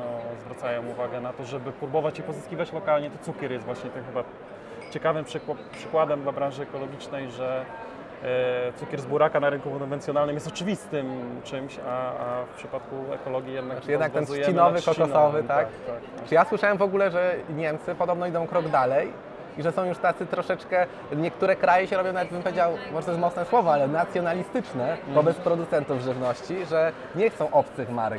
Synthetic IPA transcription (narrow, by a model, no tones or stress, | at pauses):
nɔzvɾat̪sajɔ̃w̃uvaɡɛnat̪ɔʐɛbɘpɾubɔvat͡ɕipɔzɨskʲivʲat͡ɕlɔkalɲɛt̪ɔt̪sukʲɛɾjɛst̪vwaɕɲɛt̪ɛmxɘba | t͡ɕɛkavɘmpʂɘkwapʂɘkwad̪ɛmd̪labɾãnʐɘɛkɔlɔɡʲit͡ʂnɛjʐɛ | t̪sukʲɛɾzbuɾakanaɾɘŋkukɔnvɛnsʲjɔnalnɨmjɛst̪ɔt͡ʂɘvʲist̪ɘmt͡ʂɘmɕaafpʂɘpat̪kuɛ̰kɔlɔɡʲijɛd̪nakʈ͡ʂjɛd̪nak̪̚ɛnsujɛkinɔvɨkɔɔsɔvɘt̪akt̪ak | t͡ʂɨjaswɘʂawɛmvɔɡulɛʐɛɲɛmt̪sɘpɔd̪ɔbnɔid̪ɔ̃w̃kɾɔɡd̪alɛj | iʐɛsɔ̃w̃juʂt̪at̪sɘt̪ɾɔʂɛt͡ʂkɛ | ɲɛkt̪uɾɛkɾajɛɕɛɾɔbʲjɔ̃w̃navɛt̪bɘmpɔvʲjed͡ʑawɔaɔɛt̪ɛsmɔt̪snɛswɔvɔalɛnat̪sʲjɔnalʲist̪ɘt͡ʂnɛvɔbɛt̪spɾɔd̪ut̪sɛnt̪uvʐɘvnɔɕt͡ɕiʐɛ | ɲɛxt̪sɔ̃w̃ʔɔp̚t̪sɨma̰ɾɛ